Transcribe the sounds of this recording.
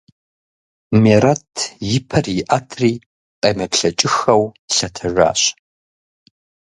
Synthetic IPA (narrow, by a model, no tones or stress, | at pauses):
meːɾɐtʰjɪpʰɐrjɪʔatʰriː | qʼɐmɐpɬɐt͡ʃʼɪxɐwɬɐtʰɐra̰ːɕ